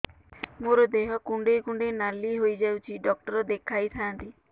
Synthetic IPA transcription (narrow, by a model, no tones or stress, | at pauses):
moɾɔd̪eɦɔkuɳɖekuɳɖenaliɦojd͡ʒawt͡ʃʰiɖɔk̚ʈɔɾɔd̪ekʰajt̪ʰant̪i